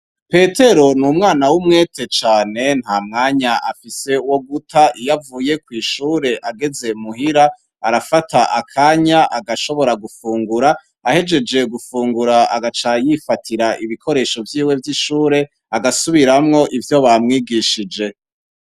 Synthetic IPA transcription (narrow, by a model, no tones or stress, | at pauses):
pe̞tʰe̞ɾonumŋaːnawumŋe̞ːtʰe̞t͡ʃaːne̞n̥haːmŋaːɲaʔafise̞uwo̞ɡutʰaʔijavuːje̞kwiːʃuːɾe̞ʔaɡe̞ze̞muɦiɾa | aɾafatʰaʔakʰaɲaʔaɡaʃo̞βo̞ɾaɡufuːŋɡuɾaː | he̞d͡ʒe̞d͡ʒe̞ɡufuːŋɡuɾaaɡat͡ʃajifatʰiɾaʔiβikʰo̞ɾe̞ːʃo̞vjiːwe̞vjiʃuːɾe̞ | aɡasuβiɾamŋo̞ʔivjo̞βamŋiːɡiʃid͡ʒe̞